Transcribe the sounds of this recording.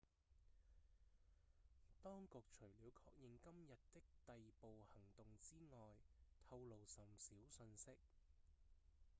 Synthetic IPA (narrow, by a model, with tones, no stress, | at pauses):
t̪ɔː˥ŋkʊ˨k̚t͡ʃʰɵ˨˩ɥliː˨˧wkʰɔː˧k̚jɪ˨˧ŋkɐ˥mjɐ˨t̚t̪ɪ˥k̚t̪ɐ˨jpo˨whɐ˨˩ŋt̪ʊ˨ŋt͡siː˥ŋɔː˨jt̪ʰɐ˧wlo˨wsɐ˨msiː˨˥wsɵ˧nsɪ˥k̚